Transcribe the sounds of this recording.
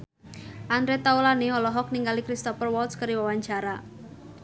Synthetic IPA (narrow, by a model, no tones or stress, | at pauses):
ʔandɾet̪aulaneɔlɔɦɔk̚niŋɡalikɾist̪ɔfərwɔlt̪skəɾiwawaɲd͡ʒaɾa